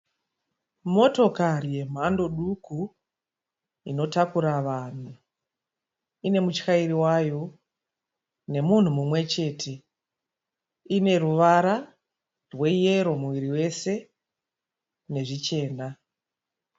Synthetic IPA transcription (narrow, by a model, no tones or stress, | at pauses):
mo̞to̞kaɾije̞m̤ando̞ɗuku | ino̞takuɾaʋan̤u | ine̞mut͡ʃxaiɾiwajo̞ | ne̞mun̤umumwe̞t͡ʃe̞tʰe̞ | ine̞ɾuʋaɾa | rwe̞je̞ɾo̞muʋiɾiwe̞se̞ | ne̞ʐit͡ʃe̞ːna